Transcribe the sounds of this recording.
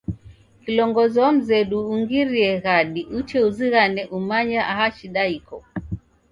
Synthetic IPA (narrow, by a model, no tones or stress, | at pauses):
kilɔŋɡɔzɔam̩zɛɗuːŋɡiɾiɛɣaɗiʔut͡ʃɛuziɣanɛʔumaɲaʔaɦaʃiɗaikɔ